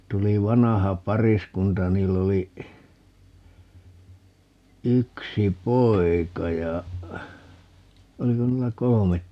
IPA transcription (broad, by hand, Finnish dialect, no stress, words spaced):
tuli ʋɑnɑhɑ pɑriskuntɑ jɑ niːlː oli yksi poi̯kɑ jɑ oliko niːlːæ kolomet